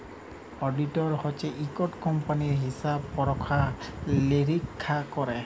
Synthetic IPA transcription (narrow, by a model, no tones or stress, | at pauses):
ɔɖitɔɹhɔt͡ʃɛʔikɔtkɔmpaniɹɦisabpɔɹɔkʰaleɹikʰːakɔɹɛ